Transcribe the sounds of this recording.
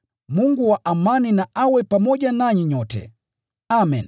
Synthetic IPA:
muŋɡuwaʔamaninaʔawɛpamɔɟanaɲiɲɔtɛ̰ | amɛn

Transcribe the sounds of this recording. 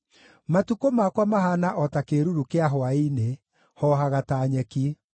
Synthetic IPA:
matukomakwamaɦanaʔɔtakeɾuɾukeaɦwaine | hɔɦaɣataːɲɛki

